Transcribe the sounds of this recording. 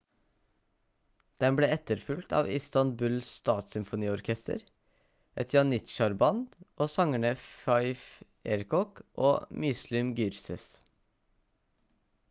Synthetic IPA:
d̪̥ɛnbleːɛt̪əɾfʉlt̪ʰɑ̰ːʋɪst̪ɑnbʉlst̪ɑːt̪sʏmfʊniːɔɾkʰɛst̪ə̰ɾ | ʔɛt̪ʰjɑːnːɪt̪ʃɑɾbɑnd̪ʔoːsɑŋəɳəfɑɪf | eːɾkɔkʔo̰ːmʏslʏmɡʏɾsə̰s

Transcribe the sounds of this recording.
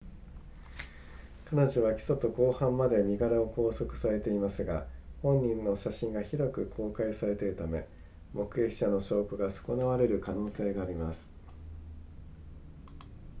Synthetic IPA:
kanoʑoβ̞akʲi̥so̞t̪o̞ko̞ːhãmːad̪e̞mʲiɡaɾao̞ko̞ːso̞kɯ̟̥saɾe̞t̪e̞imasɨɡahõ̞ɲ̟ʲːĩnːo̞ɕaɕĩŋɡaçiɾo̞kɯ̟kʰo̞ːkaisaɾe̞t̪e̞ɾɯ̟t̪ame̞ | mo̞kɯ̟eki̥ɕano̞ɕo̞ːkɯ̟ɡaso̥ko̞naβaɾe̞ɾɯ̟kano̞ːse̞ːɡaːɾʲimasɨ̥

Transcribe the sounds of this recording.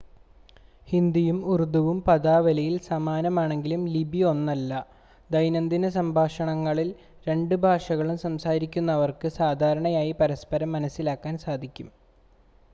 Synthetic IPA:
hind̪ijumurud̪uʋumpɐd̪aːʋɐlɐjilsɐmaːnɐmaːɳe̞ŋɡilumlibʱijo̞nːɐlːɐ | d̪ɐjnɐnd̪inɐs̬ɐmbʱaːʂɐɳɐŋːɐɭil | ɾe̞ɳɖɨbʱaːʂɐɣɐɭumsɐmsaːɾikʲːunːɐʋɐrkɨsaːd̪ʱaːɾɐɳɐjaːjipɐɾɐspɐɾɐmːɐnɐsːilaːkːaːnsaːd̪ʱikʲːum

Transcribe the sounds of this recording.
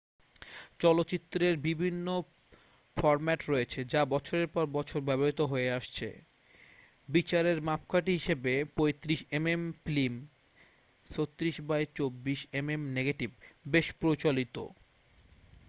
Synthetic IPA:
t͡ɕɔlotːt͡ɕit̪ːɾeɾbibʱinːo | fɔɾmɛʈɾoet͡ɕʰed͡ʑabɔt͡ɕʰoɾeɾpɔɾbɔt͡ɕʰoɾbɛβoɦit̪oɦoeaʃt͡ɕʰḛ | bit͡ɕaɾeɾmapkʰaʈiɦiʃebepojt̪ɾiʃememplim | sot̪ːɾiʃbajt͡ɕobːiʃememneɡeʈibbeʃpɾot͡ɕolit̪o̰

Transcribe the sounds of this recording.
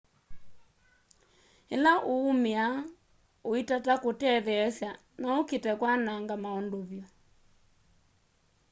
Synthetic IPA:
ɛlaʔoːmea | oitatakotɛðɛɛsja | naoketɛkwanaŋɡamaɔndoβjɔ

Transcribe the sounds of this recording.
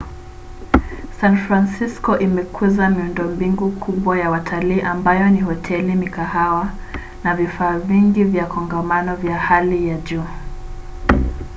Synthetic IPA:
sanfɾansiskɔʔimɛkʰuzamiundɔmbiŋɡukʰuɓwajawatʰaliːʔambajɔnihɔtʰɛlimikahawa | navifaːviŋɡivjakʰɔŋɡamanɔvjahalijaʄuː

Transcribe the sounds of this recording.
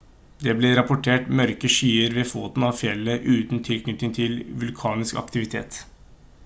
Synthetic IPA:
d̪ɛːblɛɾɑpʊʈʰeːʈmœɾkəʂyːəɾʋeːfoːt̪n̩ɑʋfjɛlːəʔʉːt̪n̩t̪ʰɪlkʰnʏt̪nɪŋt̪ʰɪlʋʉlkʰɑːnɪskɑ̰kt̪ɪʋɪt̪ʰḛːt̪

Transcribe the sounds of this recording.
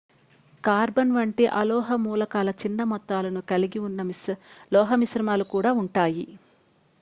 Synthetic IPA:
kaːɾbɐnʋɐɳʈiʔɐlɔːɦɐmuːlɐkaːlɐt͡ʃinːɐmɔt̪ːaːlɐnukɐliɡiunːɐlɔːɦɐmisɾɐmaːlukuːɽaːuɳʈaːji

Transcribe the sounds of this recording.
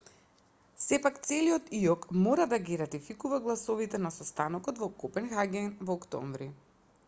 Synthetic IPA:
sɛpakt̪sɛliɔt̪iɔkmɔɾad̪aɡiɾat̪ifikuvaɡlˠasɔvit̪ɛnasɔst̪anɔkɔt̪vɔkɔpɛnxaɡʲɛnvɔːkt̪ɔ̰ɱvɾi

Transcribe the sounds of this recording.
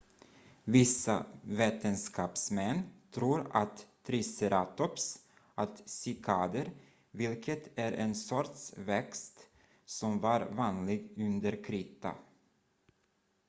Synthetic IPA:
vɪsːa̰veːt̪ənskɑːpsmɛnːt̪ʰɾuːɾa̰t̪ʰː | ɾɪsɛɾʔaːt̪ɔps | ʔat̪sɪkʰɑːd̪əɾ | vɪlkʰət̪æɾʔɛnsɔɾʈsvɛkst̪ | sɔmvɑɾvɑːnlɪɡɵnd̪əɾkʰɾɪːt̪a̰

